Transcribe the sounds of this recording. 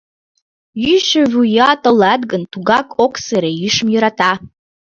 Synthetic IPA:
jyʃaʒʲujatʼəladɡəntʰuɡakʰʼokseɾejiʂɨmjɨɾatʰa

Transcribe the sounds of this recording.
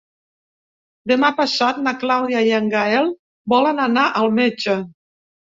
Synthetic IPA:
d̪əmapasat̪̚naklawðjajaŋɡaɛlˠ | bɔlənanaʔəlˠmed͡ʒə

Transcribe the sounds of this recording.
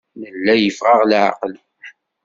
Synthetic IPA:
nəlːæjəfʁɑʁlʕa̰qəl

